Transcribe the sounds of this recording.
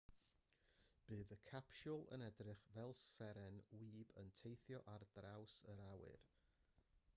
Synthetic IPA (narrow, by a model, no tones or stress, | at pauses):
b̥ɨːðəkʰapʃʊlˠə̰nɛdrɨχvɛlˠsfɛɾɛnwiːbəntʰejθjɔʔardrawsəɾawɨ̰r